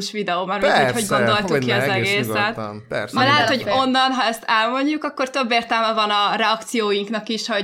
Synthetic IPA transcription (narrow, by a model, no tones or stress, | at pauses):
ʃʋid̪ɛoːmɛɾuuchoɟɡo̞nd̪o̞lt̪ukːiɒzɛɡeːsɛt̪mɛlɛɦɛt̪ho̞ɟo̞nːɒnɦɒɛst̪ɛlmo̞ɲɟukɒkːo̞rt̪ø̞bːeːrt̪ɛlmɛvɒnɒɾɛɒkt̪sijoːjiŋknɒkiʃo